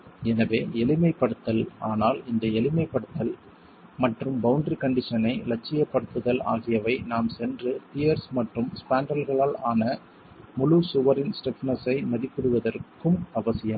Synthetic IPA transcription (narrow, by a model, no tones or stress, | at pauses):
ɛnɐʋeːɛlɪmɐɪpːɐɽɯt̪ːɐlaːnaːlɪnd̪ɐɛlɪmɐɪpːɐɽɯt̪ːɐl | mɐʈrɯmbɐʊɳɖrikɐɳɖɪʂɐnɐɪlɐt͡ʃːɪjɐpːɐɽɯt̪ːɯðɐla̰ːɣɪjɐʋɐɪnaːmsɛndrɯt̪ɪjɐɾsmɐʈrɯmspaːɳɖɐlɣɐɭaːlaːnɐ | mʊɻusʊʋɐɾɪnsʈɛfɐnɐsɐɪmɐðɪpːɯɽɯʋɐðɐrkɯmɐʋɐsɪjɐm